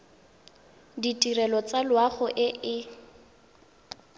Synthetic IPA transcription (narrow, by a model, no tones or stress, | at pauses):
ditʼirɛlɔt͡salwaχʊʔɪʔɪ